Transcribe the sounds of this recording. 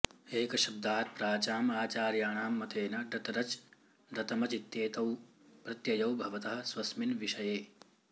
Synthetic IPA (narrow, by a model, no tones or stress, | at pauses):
eːkɐʃɐb̚d̪aːt̪̚pɾaːt͡ʃaːmaːt͡ʃaːɾjaːɳaːmːɐt̪eːnɐɖɐt̪ɾɐt͡ʃ | ɖɐt̪ɐmɐt͡ʃit̪jeːt̪ɐw | pɾɐt̪jɐjɐwbʱɐʋɐt̪ɐɦɐ̆sʋɐsminʋiʃɐjeː